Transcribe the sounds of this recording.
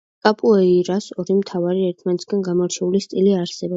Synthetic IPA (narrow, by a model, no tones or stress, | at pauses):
kʼapʼuɛiɾasɔɾimt̪ʰavaɾiɛɾt̪ʰmant̪sɡ̥anɡamɔɾt͡ʃʰɛulist̪ʼiliaɾsɛbɔ